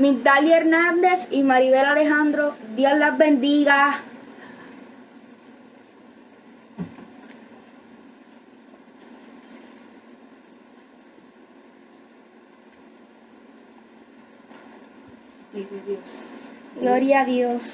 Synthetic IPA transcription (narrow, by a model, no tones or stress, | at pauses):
mik̚d̪aljeɾnãnd̪esimaɾiβelaleɦãnd̪ɾod̪joslazbend̪iɣa | sɡloɾjaðjos